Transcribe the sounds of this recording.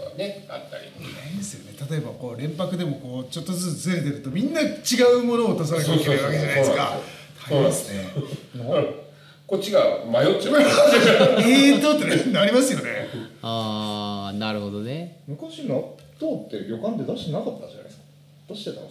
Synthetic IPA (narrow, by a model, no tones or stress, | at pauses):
a̰ne̞a̰t̪ːaɾʲḭmasɨjo̞̰ne̞t̪at̪o̞e̞bako̞ːɾẽ̞mpakɯ̟d̪e̞mo̞ko̞ːt͡ɕo̞t̪ːozɨt͡sɨzɾet̪̬e̞ɾɯ̟t̪o̞mʲĩnːat͡ɕiɡaɯ̟mo̞no̞ːt̪os̬aɾak̪eeeɾɯβaked͡ʑanaskat̪aonasɨen | ko̞t͡ɕːiɡamajo̞tt͡ɕa | et̪oːt̪ːenaɾʲimasɨjo̞nea | naɾɯ̟ho̞d̪o̞nemɯ̟kaɕina | t̪oːt̪ːe̞ɾo̞kãnt̪̬e̞d̪aɕi̥t̪enakat̪ːad͡ʑa̰na̰jsk | d̪̥aɕi̥t̪et̪ã̰